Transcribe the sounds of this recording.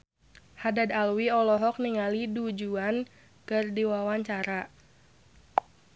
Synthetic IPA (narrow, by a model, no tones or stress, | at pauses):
hadad̪alwiɔlɔɦɔk̚niŋalidud͡ʒuan | kɨrdiwawaɲt͡ʃaɾa